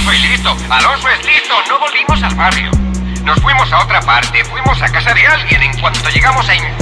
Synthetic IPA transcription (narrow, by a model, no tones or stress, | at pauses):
soilɾit̪oalo̞nsoeslɾit̪ono̞βo̞lβimo̞salβarjo̰ | no̞sfwimo̞sao̞t̪ɾapaɾt̪e̞fwimo̞sakasaðealɣje̞nẽ̞ŋkwant̪o̞ʝe̞ɣamo̞saiŋ